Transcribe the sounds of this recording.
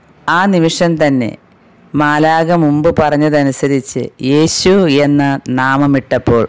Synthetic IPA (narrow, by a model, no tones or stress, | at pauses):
aːnimiʂɐnt̪ɐnːe̞̰ | maːlaːɡɐmumbɨpɐrɐɲːɐðɐnusɐɾit͡ɕːɨ̰je̞ːɕue̞nːɐnaːmɐmiʈːɐpːo̞ːɭ